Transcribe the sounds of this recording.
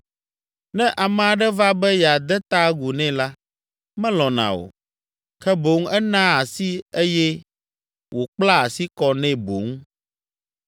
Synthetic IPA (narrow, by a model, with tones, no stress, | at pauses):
nɛ̃˦ʔa˨mɛ̃˨a˨ɖɛ˦va˦bɛ˦jɛ˨a˨d̪ɛ˦t̪a˦ɡu˨nɛ̃˦la˦ | mɛ̃˦lɔ̃˨nã̰˨o̰˨ | kɛ˦bo˨˦ŋ˦ɛ˦nã˦a˨si˦e˦jɛ˦ | wo˨k͡pla˦a˨si˦kɔ˦nɛ̃˦bo̰˨ŋ˦